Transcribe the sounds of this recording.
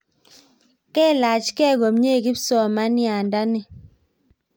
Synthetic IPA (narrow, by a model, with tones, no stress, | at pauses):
kɛ˦˨la˨t͡ʃkɛ˦˨ɡo˨mɲe˦˨ki˦psɔ˦˨ma˦nja˨nda˦ni˨